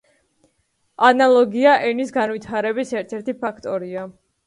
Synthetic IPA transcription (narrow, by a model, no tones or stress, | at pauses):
analˠɔɡiaʔɛnisɡanvit̪ʰaɾɛbisɛɾt̪ʰɛɾt̪ʰipʰakʰt̪ʼɔɾia